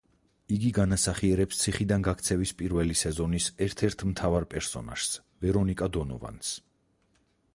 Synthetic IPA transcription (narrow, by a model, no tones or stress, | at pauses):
iɡiɡanasaχiɛɾɛpst̪sʰiχid̪anɡak̚ʰt̪sʰɛvispʼiɾvɛlisɛzɔnisɛɾt̪ʰɛɾt̪ʰmt̪ʰavaɾpʼɛɾsɔ̰na̰ʃs | vɛɾɔnikʼad̪ɔnɔ̰va̰ns